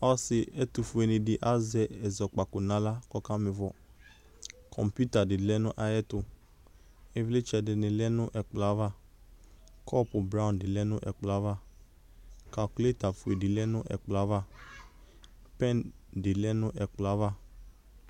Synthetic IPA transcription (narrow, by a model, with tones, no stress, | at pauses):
ɔ˦sɪ˨ɛ˦tʊ˨fʊ˨ɛ˨nɪ˨dɪ˨ʔa˦zɛ˨ɛ˨zɔ˨k͡pa˨kʊ˨nã˨˦la˦kɔ˦ka˦mɪ˨vɔ˦ | kʰɔ̰˨mpju˦ta˨dɪ˨dɪ˨lɛ˦nʊ̃˦ʔa˨jɛ˦tʊ˨ | ɛ˦vle˦t͡ʃɛ˨dɪ˨nɪ̃˨lɛ˦nʊ̃˦ʔɛ˨k͡pla˨˦va˦˨ | kʰɔ˦pʊ˨bɾã˦˨ndɪ˨lɛ˦nʊ̃˦ʔɛ̰˨k͡pla˨˦va˦˨ | ka˨lku˦e˦ta˨fu˨e˨dɪ˨lɛ˦nʊ̃˦ʔɛ̰˨k͡pla˦va˦ | pɛ˦˨ndɪ˨˦lɛ˦nʊ̃˦ʔɛ˨k͡pla˨˦va˦˨